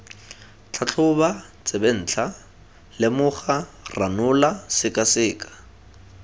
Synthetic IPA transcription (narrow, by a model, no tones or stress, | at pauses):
t͡ɬʰat͡ɬʰʊba | t͡sʼeben̩ːt͡ɬʰa | lɪmʊχaranʊlasɪkʼasɪːkʼḁ